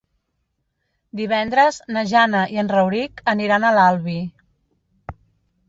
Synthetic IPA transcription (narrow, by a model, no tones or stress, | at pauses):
d̪iβ̞ɛnd̪ɾəznəʒanəʔiənrəwɾikəniɾanəlalˠβi